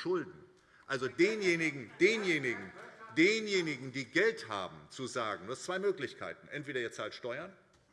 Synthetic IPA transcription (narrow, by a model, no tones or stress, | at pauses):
ʃʊldn̩ | ʔalzodeːnjeːnɪɡŋ̩d̥eːnjeːnɪɡŋ̩deːnjeːnɪɡŋ̩diːɡɛltha̰ːbm̩t͡suzaːɡŋ̩duːast͡sv̥aɪmøːklɪçkʰa̰ɪtn̩ʔɛ̰ntv̥eːɾɐiːɐt͡saːltʃtɔʏɐn